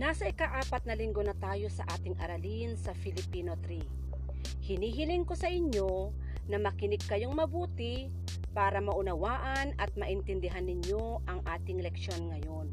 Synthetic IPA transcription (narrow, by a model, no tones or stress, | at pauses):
naːsɐɪkaʔaːpɐt̪̚nɐlɪŋɡo̞nɐt̪aːjo̞sɐʔaːt̪ɪŋʔɐ̰ɾɐlinsɐfɪlɪpiːnot̪ɾi | hɪniːɦɪlɪŋko̞sɐʔɪɲjo̞ | nɐmɐkɪnɪɡ̚kːɐjoŋmɐbuːt̪ɪ | paːɾɐmɐʔʊnɐwaːʔɐnɐt̪̚mɐʔɪnt̪ɛnd̪ɪɦanːɪɲjo̞ | ʔɐŋʔaːt̪ɪŋlɛk̚ʃo̞nŋɐjo̞n